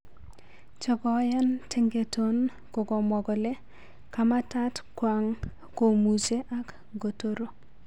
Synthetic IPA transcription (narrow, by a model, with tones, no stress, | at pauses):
t͡ʃɔ˨ɡɔ˨˦ja˦ntʰɪ˦ŋɡe˨to˦n | ko˨ɡɔ˨mɔ˨ɡɔ˨le˦ | ka˨ma˦ta˦tkwa˨ŋ | ko˨mu˨se˦ʔa˦k | ɡo˨to˨ɾo˨